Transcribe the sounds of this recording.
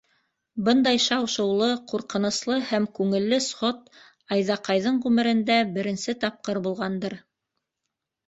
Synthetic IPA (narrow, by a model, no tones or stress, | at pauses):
bɤnd̪ɑjʃɑwʃɤ̆wlˠɤquɾqɤ̆nŏslˠɤhæmkʉŋɘ̆lːɘsχot̪ | ɑjðɑqɑjðɤɴʁʉmɘ̆ɾɘ̆nd̪æbɘ̆ɾɘ̆nsɘt̪ɑp̚qɤɾbulˠʁɑnd̪ɤɾ